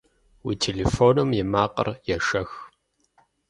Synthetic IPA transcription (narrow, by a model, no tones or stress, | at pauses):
wḭːtʰeleːfoːnɨmjɪmaːqə̰rjɛʂɐx